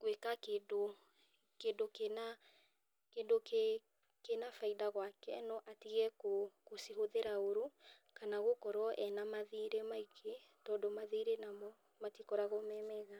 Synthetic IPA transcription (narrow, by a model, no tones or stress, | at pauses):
kwekakedo | kedokena | kendoke | kenafaidaɣwakɛnɔʔatiɣɛkokosiɦoðeɾaoɾu | kanaɣokɔɾwɔʔɛnamaðiɾemaikʰetɔdɔmaðiɾenamɔ | matikɔɾaɣomɛmɛɣa